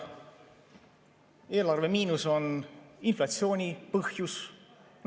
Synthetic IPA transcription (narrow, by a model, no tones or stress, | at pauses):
e̞ːlɑrve̞miːnuso̞ninflɑt̪sio̞ːnʲipɤhjus | n